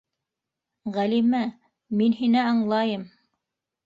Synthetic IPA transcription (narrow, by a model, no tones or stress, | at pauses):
ʁælimæ | minɦinæɑɴlˠɑjɤm